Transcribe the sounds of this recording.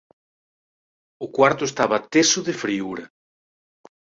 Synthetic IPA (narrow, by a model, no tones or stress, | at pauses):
ʊkwaɾt̪ʊest̪aβat̪esʊðefɾiuɾɐ